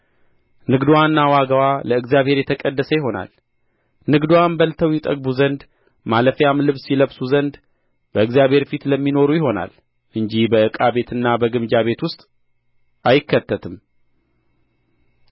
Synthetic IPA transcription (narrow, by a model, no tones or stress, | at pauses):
nɨɡd̪wanːawaɡəwaləɨɡzjaβhe̞ɾjɛt̪ʰəkʼəd̪ːəsəjɪɦo̞na̰l | nɨɡd̪uwambəlt̪ʰəwjɛt̪ʼəɡ̚buzənd̪ | maləfjamlɨβsiləβsuzənd̪ | b̥əɨɡzjaβhe̞ɾfit̪ləmːino̞ɾujɪɦo̞na̰l | ʔɨɲd͡ʒihbəɨkʼaβe̞t̪ʰɨnːabəɡɨmd͡ʒaβe̞t̪wʊst̪ʼ | ʔajɪkʰːət̪ːət̪ʰɨm